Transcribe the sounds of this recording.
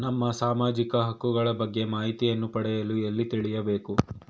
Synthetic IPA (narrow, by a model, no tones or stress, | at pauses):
nɐmːɐsaːmaːd͡ʒikɐɦɐkːuɡɐɭɐbɐɡːe̞maːɦit̪ijɐnːupɐɽɛjɐluelːit̪iɭijɐbe̞ːku